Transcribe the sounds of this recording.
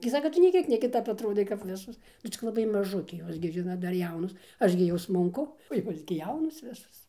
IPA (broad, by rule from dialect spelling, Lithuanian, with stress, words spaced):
ɡʲɪ ˈsɑːkɐ ˈtʊ nʲeː ˈkʲiɛk nʲɛ kʲɪˈtɐp ɐtˈroːdɐɪ kɐp ˈʋʲɪsoːs ˈnʊ t͡sʲɪk lˠɐˈbɐɪ mɐˈʒʊkʲeː ˈjoːs ɡʲɪ ˈʒʲɪnoːt ˈdɐr ˈjɛʊnoːs ˈɐʃ ɡʲɪ jɛʊ smʊŋˈkʊ oː ˈjoːs ɡʲɪ ˈjɛʊnoːs ˈʋʲɪsoːs